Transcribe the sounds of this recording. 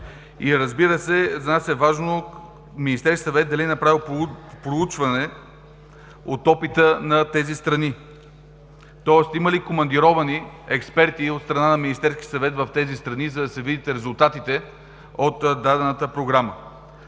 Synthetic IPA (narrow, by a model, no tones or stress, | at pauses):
iɾəzbiɾəsɛzɐnasɛvaʒno | minist̪ɛɾskʲi̥sɐvɛt̪̚d̪ɐliɛnɐpɾavilˠppɾout͡ʃvɐnɛ | ot̪ɔpit̪ənɐt̪ɛzist̪ɾɐni | t̪ɔɛst̪iməlikomɐnd̪iɾɔvɐniɛkspɛɾt̪iot̪st̪ɾɐnanɐminist̪ɛɾskʲisɐvɛt̪vɐft̪ɛzist̪ɾɐnizɐd̪ɐsɛvid̪it̪ɛɾɛzulˠt̪at̪it̪ɛ | ot̪d̪ad̪ɛnət̪əpɾoɡɾamə